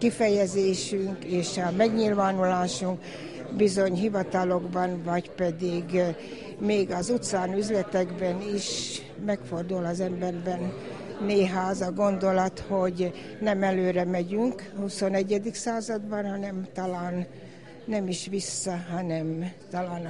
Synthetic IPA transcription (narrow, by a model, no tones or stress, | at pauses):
kifɛjɛzeːʃyŋkeːʃɒmɛɡɲilvaːnulaːʃuŋk | bizo̞ɲɦivɒt̪ɒlo̞ɡbɒnvɒcpɛd̪iɡ | meːɡɒzut̪saːnyzlɛt̪ɛɡbɛniʃ | mɛkfo̞rd̪ulɒzɛmbɛrbɛnː | eːɦaːzɒɡo̞nd̪o̞lɒt̪ho̞ɟ | nɛmɛløːɾɛmɛɟyŋkhuso̞nɛɟːɛd̪iksaːzɒd̪bɒnhɒnɛmt̪ɒlaːnː | ɛmiʃʋisːɒɦɒnɛmt̪ɒlaːn